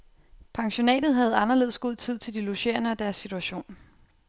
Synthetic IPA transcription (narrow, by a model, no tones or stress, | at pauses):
pʰɑ̈ŋɕo̝nɛ̰ːd̥ð̞̩ˠɦæð̞̩ˠɑ̈nɐle̝ðˠsɡ̥oð̞̰ˠt͡sʰið̞̰ˠt͡sʰe̝ld̥iloɕe̝̰ɐnəæd̥æɐsːit͡sʰuæɕo̝̰ːn